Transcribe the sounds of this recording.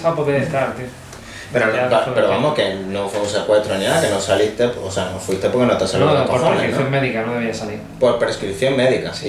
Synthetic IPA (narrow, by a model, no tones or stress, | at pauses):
sapoðeest̪aɾt̪i | peɾobapeɾoβamokenõŋfomosakwat̪ɾonakenõsalist̪eposeanõfwist̪epoɾkenot̪asalooɾɾeskɾipθjoŋmeðikanõðeβiasaliɾpoɾpɾeskɾipθjoŋmeðikas